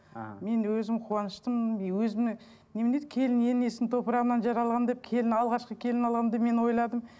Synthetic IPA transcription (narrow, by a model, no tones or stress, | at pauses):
me̞nwɵzɪmqʰuɑnəʃt̪əmwɵzɪmɪ | ne̞mɪned̪ɪkʲʰe̞lɪne̞ne̞sɪnt̪ʰo̞pəɾɑʁənɑnʒɑɾɑlˠʁɑnd̪e̞p̚kʲʰe̞lɪnɑlˠʁɑʃqəkʲʰe̞lɪnɑlˠʁɑnd̪eme̞nwo̞jlˠɑd̪əm